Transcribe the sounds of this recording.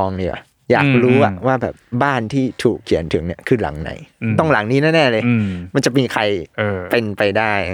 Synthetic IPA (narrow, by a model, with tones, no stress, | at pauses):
ɔː˧ŋniː˧˩wa̰˨˩ | jaː˨˩k̚ɾuː˦˥ʔa˨˩waː˥˩bɛ̰ː˨˩p̚baː˥˩nt̪ʰiː˥˩t̪ʰuː˨˩kʰːi˨˩˦ənt̪ʰɯ˩˦ŋni˥˩ɐkʰɯː˧la̰˩˦ŋna̰˩˦jt̪ɔ˥˩ŋla˩˦ŋniː˦˥nɛː˥˩nɛː˥˩lɤː˧jma˧nt͡ɕa˨˩miː˧kʰa˧jpe˧npa˧jdaː˥˩j